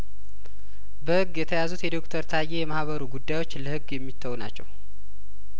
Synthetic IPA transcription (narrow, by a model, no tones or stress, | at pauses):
bəhɨɡːjɛt̪ʰəjazut̪jɛd̪o̞kt̪ʰəɾt̪ʰajːe̞jɛmahβəɾuɡud̪ːajwo̞t͡ʃːləhɨɡjɛmːit̪ʰːəwna̰t͡ʃːɛ̰w